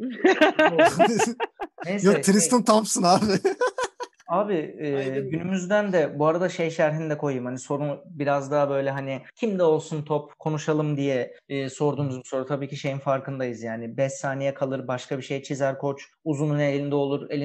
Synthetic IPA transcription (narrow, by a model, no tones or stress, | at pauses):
nejsjokɛɾist̪ɯnt̪ʰamsɯnaːbɪ | aːbɪɛːɟynymyzd̪ænd̪ɛbuaɾad̪aʃejʃæɾɦinid̪ɛkʰo̞jɯmhaniso̞ɾunbiɾazd̪aːabø̞jlʲɛɦanɪcʰimd̪ɛo̞lˠsunt̪ʰopkʰo̞nuʃalˠɯmd̪ijɛːso̞ɾd̪uːmuzbuso̞ɾut̪ʰabiːcʰiʃe̞jinfaɾkɯnd̪ajɯzjaːnɪbɛsːaːnejɛkʰalˠɯɾbaʃkʰabiʃe̞jt͡ʃʰizæɾkʰo̞t͡ʃ | uzunune̞lʲind̪ɛo̞lˠuɾelʲi